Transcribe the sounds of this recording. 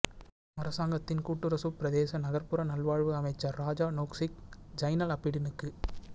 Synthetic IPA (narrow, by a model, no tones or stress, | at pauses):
mɐɾɐsaːŋɡɐt̪ːɪnkuːʈːɯɾɐsupɪɾɐðeːsɐnɐɣɐɾpɯɾɐnɐlʋaːɻʋɯɐmɐɪt͡ʃːɐɾːaːd͡ʒaːnoːksɪk̚d͡ʒɐɪnɐlɐpːɪɽɪnɯkːɯ